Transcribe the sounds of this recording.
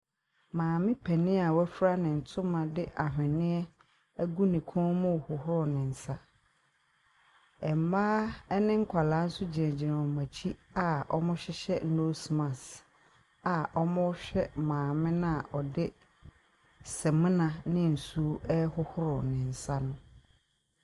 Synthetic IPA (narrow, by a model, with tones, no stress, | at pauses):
mãː˨mɪ̃˦pʰɛ˨nɪ̃˦a˨wɛ˦fɾa˦nɪ̃˨n̩˨tʰʊ̃˦mã˨dɪ˦ʔa˨ɦɪ̃˨nɪ̃˦ɛ˦ | æ˦ɡu˦nĩ˨kʰɔ̃˦mʊ̃˦˨hʊ˨hʊ˦ɾʊ˨nɪ̃˨n̩˨sa˦ | ɛ˨m̩˨maː˦ɛ˦nɪ̃˦ŋ̩˦kʷʰa˨la˦n̩˦sʊ˦d͡ʑɪ˨ɛ̃˨d͡ʑɪ˨ɾã˨ɔ˨mã˨t͡ɕʰi˦a˦˨ɔ˦mʊ̃˦ɕɛ˦ɕɛ˦n̩˦nõ˦smã˨s | a˨ʔɔ˦mʊ̃˦ɕᶣɛ˦mãː˨mɪ̃˦nã˦a˨ʔɔ˨dɪ˦ | sɛ˨mɪ̃˦nã˨nɪ̃˦n̩˨su˦ɛ˦hʊ˦hʊ˦ɾʊ˨nɪ̃˨n̩˨sa˦nʊ̃˦